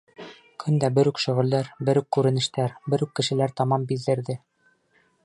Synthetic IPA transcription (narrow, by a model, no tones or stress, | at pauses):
kʰɵnd̪æbɘ̆ɾʉkʃɵ̆ʁɘ̆ld̪æɾbɘɾʉkːʉɾɘ̆nɘ̆ʃt̪æɾbɘɾʉkːɘ̆ʃɘ̆læɾt̪ɑmɑmbiðɘ̆ɾðɘ